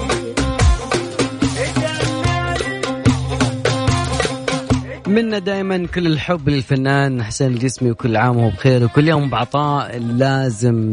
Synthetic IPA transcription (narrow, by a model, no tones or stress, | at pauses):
mɪnːad̪aːjmankʊlːɪlħʊbːlɪlfanːaːnaħseːnɪld͡ʒɪsmiwkʊlːʕaːmhuːbxeːɾwkʊlːjoːmbɪʕt̪ˤɑːʔlaːzɪm